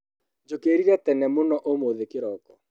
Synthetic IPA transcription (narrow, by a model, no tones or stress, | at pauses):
d͡ʒokeːɾiɾɛt̪ɛnɛmonɔʔomoðekeɾɔkɔ